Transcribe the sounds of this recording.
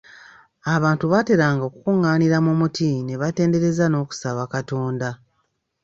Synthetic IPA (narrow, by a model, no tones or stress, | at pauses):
aβaːntuβate̞ɾaːŋɡokukuŋːaːniɾamumutʰine̞βate̞ːnde̞ɾe̞zano̞ːku̥saβakato̞ːnda